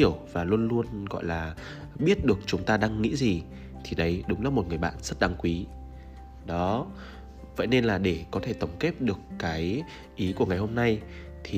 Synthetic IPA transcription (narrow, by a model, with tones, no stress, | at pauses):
i˧˩əwvaː˨˩lu˧ənlu˧ənɣɔ̰˧˨jlaː˨˩ | ɓi˦˥ət̚ɗɨ˨˩ək̚t͡ɕʊ˨˦ŋ͡mt̪aː˧ɗaː˧ŋːḭ˧˥zi˨˩ | t̪ʰi˨˩ɗə˨˦jɗʊ˨˦ŋ͡mlaː˨˦mo˨˩t̚ŋɨ˨˩əjɓa̰ː˧˨nz̥ə˦˥t̚ɗa˨˦ŋkwi˨˦ | ɗɔ˨˦ | və̰˧˨jne˧nlaː˨˩ɗe˧˩kɔ˨˦t̪ʰe˧˩t̪ə˨˧˩wŋ͡mke˦˥p̚ɗɨ˨˩əkːaː˨˦j | ʔi˨˦ku˧˩əŋa˨˩jho˧mna˧j | t̪ʰi˨˩